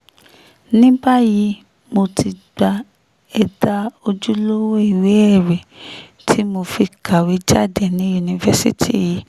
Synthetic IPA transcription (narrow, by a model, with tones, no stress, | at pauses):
nĩ˦ba˦ji˨˧˦ | mo˧ti˧ɡ͡ba˧ | ɛ˧da˦o˧d͡ʒu˦lo˦wo˦i˦˨we˨˦ɛ˦˨ɾe˨ | tʰi˨˦mo˧fi˧kʰa˨we˨˦d͡ʒa˦˨de˦˨nĩ˨˦u˧nĩ˧˨vɛ˧sḭ˦tʰi˦ji˨˦